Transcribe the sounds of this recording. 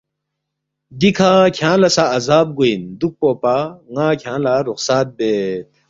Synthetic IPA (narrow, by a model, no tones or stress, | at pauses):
d̪ikʰakʰãːlɐsaːzaːb̚ɡuind̪uk̚poːpaŋaːkʲʰjãːlaɾuxsaːt̪̚beːt̪̚